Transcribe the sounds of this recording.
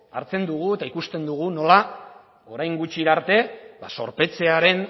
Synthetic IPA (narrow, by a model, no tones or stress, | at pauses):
a̰ɾt͡se̞nd̪uɣ̞ue̞t̪aikust̪e̞nd̪uɣ̞uno̞la | o̞ɾajŋɡut͡ʃiɾaɾt̪e̞baso̞̰ɾpe̞t͡se̞aɾe̞n